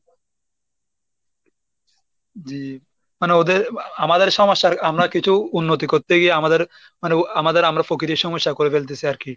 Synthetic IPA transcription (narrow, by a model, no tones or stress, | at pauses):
d͡ʑi | maneod̪eɾamad̪eɾʃɔmoʃːaɾamɾakit͡ɕʰuunːot̪̬ikoɾt̪eɡieamad̪eɾ | maneamad̪eɾamɾafokiɾiʃɔmoʃːakoɾefelt̪̬esʰiaɾki